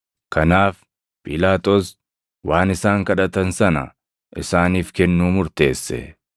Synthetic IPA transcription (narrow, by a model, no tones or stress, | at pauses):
kɐnaːf | pʼɪlaːt̪ʼoːs | waːnɪsaːŋkɐᶑɐt̪ɐnsɐnɐ̰ | ʔɪsaːniːfkɛnːuːmʊɾt̪e̞ːsːɛ̰